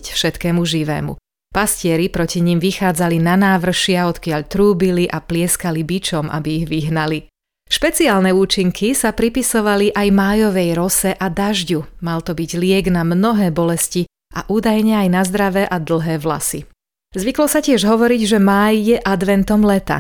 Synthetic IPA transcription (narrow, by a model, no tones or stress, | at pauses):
cfʃɛt̪kɛːmuʒiʋɛ̰ːmṵ | pascɪɛɾipɾɔciɲimʋixaːd͡zalinanaːʋr̩ʃɪaɔt̪kɪaʎt̪ɾuːbiliʔaplɪɛskalibit͡ʃɔmʔa̰biːɣʋiɦnali | ʃpɛt͡siaːlnɛuːt͡ʃiŋkʰisapɾipisɔʋaliʔajmaːjɔʋɛjɾɔsɛʔad̪aʒɟumalt̪ɔbiɟlɪɛɡnamnɔɦɛːbɔlɛsci | ʔaʔuːd̪ajɲɛajnazd̪ɾaʋɛʔad̪l̩ˠɦɛːʋla̰sḭ | zʋiklɔsacɪɛʒɦɔʋɔɾiɟʒɛmaːjːɛʔad̪ʋɛnt̪ɔmlɛt̪a̰